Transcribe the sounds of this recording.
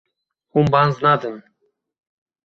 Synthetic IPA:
humbanznad̪ən

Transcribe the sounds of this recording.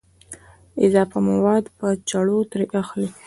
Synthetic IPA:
ɪzɑfamawɑd̪pət͡ʃaɽot̪ɾeʔaxli

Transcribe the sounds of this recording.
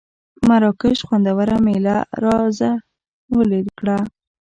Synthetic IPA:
maɾɑkɪʃxwand̪awaɾamelaɾɑza | wəleɾkɽa

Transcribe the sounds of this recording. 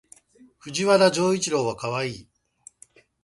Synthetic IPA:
ɸɯ̟ʑiβaɾaʑo̞ːit͡ɕiɾo̞ːβakaβaiː

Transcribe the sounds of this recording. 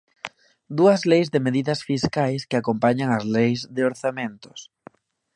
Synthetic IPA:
d̪uɐzlejzðɪmeðiðɐsfiskajskɪakompaɲaŋɐzlejzðɪoɾθamẽnt̪ʊ̥s

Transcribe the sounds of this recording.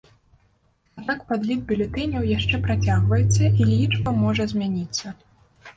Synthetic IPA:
ad̪nakpad̪lʲid̪̚bʲulʲɛt̪ɛnʲɛwjaʂt͡ʂɛpɾat͡sʲaɣvɐjɛt̪sːɐilʲit͡ʂbɐmɔʐɐzʲmʲanʲit̪sːɐ

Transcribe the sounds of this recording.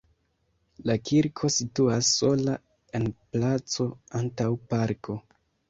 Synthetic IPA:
lakʰiɾkʰo̞situasːo̞la | e̞nplat͡so̞antawpaɾkʰo̞

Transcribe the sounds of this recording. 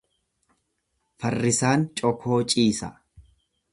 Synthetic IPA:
fɐrːɪsaːnt͡ʃʼɔkʰo̞ːt͡ʃʼiːsɐ̰

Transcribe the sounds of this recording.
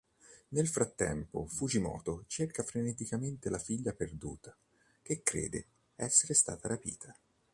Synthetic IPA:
nelfɾat̪ːɛ̰mpo̰fud͡ʒimɔ̰ːt̪ot͡ʃerkafɾenet̪ikament̪elafiʎːaperd̪uːt̪a | k̟ekːɾḛːd̪ḛ | ɛsːeɾest̪a̰ːt̪aɾapḭːt̪ʰa

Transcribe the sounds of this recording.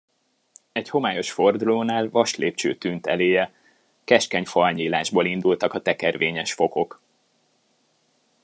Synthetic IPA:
ɛcho̞maːjo̞ʃfo̞rd̪uloːnaːlvɒʃleːp̚t͡ʃø̰ːt̪ynt̪ɛleːjɛ | kɛʃkɛɲfɒlɲiːlaːʒbolind̪ult̪ɒkɒt̪ɛkɛrveːɲɛʃfo̞ko̞k

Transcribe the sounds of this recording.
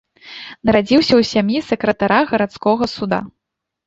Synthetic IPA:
nɐɾad͡zʲiwsʲɐwsʲamjisɐkɾɐt̪aɾaɣɐɾat̪skɔɣɐsud̪a̰

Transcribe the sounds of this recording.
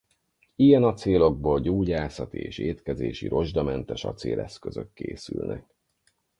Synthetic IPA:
iɡɛnɒt̪seːlo̞ɡ̚boːlɟoːɟaːsɒt̪iḛːʃeːt̪kɛzeːʃiɾo̞ʒd̪ɒmɛnt̪ɛʃɒt̪seːlʔɛskøzøkːḛːsylnɛ̰k̚

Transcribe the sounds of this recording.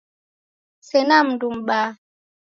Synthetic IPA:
sɛnam̩dumɓa

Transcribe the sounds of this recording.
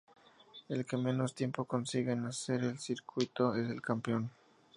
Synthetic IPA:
e̞lke̞me̞no̞st̪je̞mpo̞ko̞nsiɣenase̞ɾelsiɾkwit̪o̞e̞se̞lkampeo̞n

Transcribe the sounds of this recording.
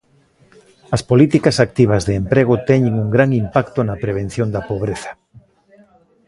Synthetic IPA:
ɐspolit̪ikɐsak̚t̪iβ̞ɐzðeempɾeɣ̞ʊt̪ɛɲeŋuŋɡɾaŋimpakt̪onɐpɾeβ̞ẽn̟θjond̪ɐpoβ̞ɾeθɐ̥

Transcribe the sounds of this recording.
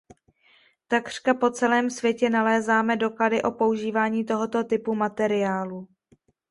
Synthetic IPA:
t̪akr̥kapo̞t͡sɛlɛːmsvjɛcɛnalɛːzaːmɛdo̞kladɪʔo̞po̞uʒiːvaːɲiːt̪o̞ɦo̞t̪o̞t̪ɪpumat̪ɛɾɪjaːlu

